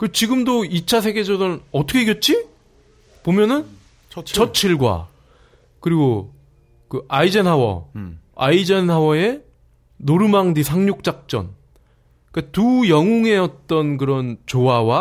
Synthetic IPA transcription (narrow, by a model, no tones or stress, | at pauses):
kɯt͡ɕiɡɯmdoit͡ɕʰasʰe̞ɡe̞d͡ʑʌdʌnɯnʌt͈ʰʌkʰekjʌt̚t͡ɕ͈i | pomjʌnɯn | t͡ɕʌt͡ɕʰiɭɡwa̰ | kɯɾiɡo | kɯʔaid͡ʑenɦawʌ̰a̰id͡ʑenɦawʌe̞ | noɾɯmaŋdisʰaŋɲok̚t͡ɕ͈ak̚t͡ɕ͈ʌ̰n | katujʌŋoŋe̞ʌt͈̚ʌnkɯɾʌnt͡ɕowawa